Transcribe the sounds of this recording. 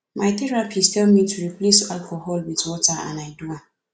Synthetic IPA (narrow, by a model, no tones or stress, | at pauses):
majθiɹapʰiskɛmitʰuɹiplesalkɔhɔlwitwɔtaã̰najdua